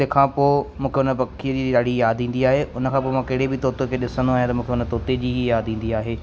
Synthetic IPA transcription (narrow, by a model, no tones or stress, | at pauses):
ekʰãːpoːmũːkʰeʊnəpɐkʰiəd͡ʑiːɗaːɽ̤ijaːd̪ĩːn̆d̪iaːɦeʔʊnəkʰãːp̬oːmãkɐɦɪɽebɪt̪oːt̪okʰeɗɪsə̃nd̪oaːɦjãt̪ɐmũːkʰeʊnət̪oːt̪ed͡ʑiːɦijaːd̪ĩːn̆d̪iaːɦeː